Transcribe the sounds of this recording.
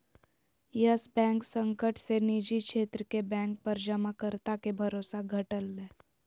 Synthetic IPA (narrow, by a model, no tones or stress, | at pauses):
jəsbɛ̃ːŋksə̃ŋkəʈʰsenid͡ʒikʃeːt̪ɾəkebɛ̃ːŋk̚pəɾd͡ʒəmakəɾt̪akebʱɐɾoːsaɡʱəʈəlːẽː